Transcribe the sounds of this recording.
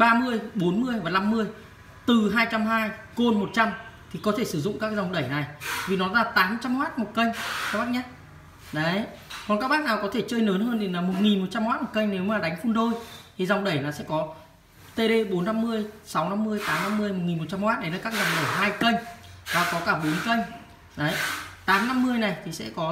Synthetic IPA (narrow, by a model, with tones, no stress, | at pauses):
ɓaː˧mɨ˧əjɓo˨˦nmɨ˧əjvaː˨˩na˧mːɨ˧əj | t̪ɨ˨˩ɦaː˧jt͡ɕa˧mɦaː˧jko˧nmo˨˩t̚t͡ɕa˧mt̪ʰi˨˩kɔ˨˦t̪ʰe˧˩sɨ˧˩zʊ̰˧˨ŋ͡mkaː˦˥k̚za˨˩wŋ͡mɗə˧˩jna˨˩jvi˨˩nɔ˨˦zaː˧˩t̪aː˨˦mt͡ɕa˧mhwaː˦˥t̚mo˨˩t̚kə˧jŋ̟aː˦˥ɓaː˦˥k̚ɲa˦˥t̚ | ɗə˨˦j | kɔ˨nkaː˦˥k̚ɓaː˦˥k̚naː˨˩wkɔ˨˦t̪ʰe˧˩t͡ɕəː˧jnəː˨˦nɦəː˧nɗe˨˦nlaː˨˩mo˨˩t̚ŋi˨˩nmo˨˩t̚t͡ɕa˧mhwaː˦˥t̚mo˨˩kə˧jŋ̟ne˨˦wmaː˨˩ɗa˨˦jŋ̟fu˧nɗo˧jt̪ʰi˨˩za˨˩wŋ͡mɗə˧˩jnaː˨˩sɛ̰˧˥kɔ˨˦ | t̪e˧ɗe˧ɓo˨˦nːa˧mːɨ˧əjsa˨˦wna˧mːɨ˧əjt̪aː˨˦mna˧mːɨ˧əjmo˨˩t̚ŋi˨˩mo˨˩t̚t͡ɕa˧mhwaː˦˥ɗə˨˦jnaː˧˩kaː˦˥k̚za˨˩wŋ͡mɗə˧˩jɦaː˧jkə˧jŋ̟vaː˨˩kɔ˨˦kaː˧˩ɓo˨˦nkə˧jŋ̟ | ɗə˨˦jt̪aː˨˦mna˧mːɨ˧əjna˨˩jt̪ʰi˨˩sɛ̰˧˥kɔ˨˦